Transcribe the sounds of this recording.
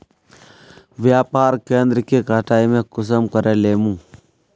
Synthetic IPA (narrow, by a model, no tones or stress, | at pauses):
vjapaːɾkend̪ɾkikataimekus̬əmkɐɾelemu